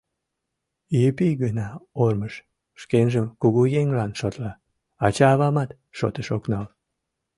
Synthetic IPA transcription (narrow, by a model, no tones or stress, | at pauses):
jypijɣənɑorməʃ | ʃkenʒəmkuɣujeŋlɑnʃot̪lɑ | ɑt͡ɕɑːβɑmɑt̪ | ʃo̰t̪əʃoknɑl